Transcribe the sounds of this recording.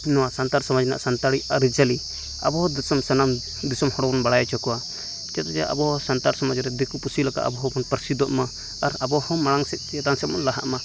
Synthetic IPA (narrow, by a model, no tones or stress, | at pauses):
nɔwasant̪aɾsɔmad͡ʒɛna̰ʔsant̪aɽiaɾid͡ʒali | a̰bɔɦɔd̪sɔmsanam | d̪isɔmhɔɽɔbɔnbaɽajat͡ʃɔkɔwa | d͡ʒat̪ad͡ʒaʔa̰bɔɦɔsant̪aɾsɔmad͡ʒɾɛd̪ikupusilaka̰ʔa̰bɔɦɔbɔnpəɾsid̪ɔʔmaː | ɾabɔhɔmaɽaŋsɛt̪̚ˀt͡ʃt̪ansɛt̪̚mɔnlaɦaʔma